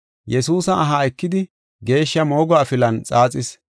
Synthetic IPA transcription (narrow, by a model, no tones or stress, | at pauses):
jɛsuːsɐɐɦɐɪkːɪd̪ɪ | ɡe̞ːʃːɐmo̞ːɡɔːfɪlɐnt͡sʼaːt͡sʼɪs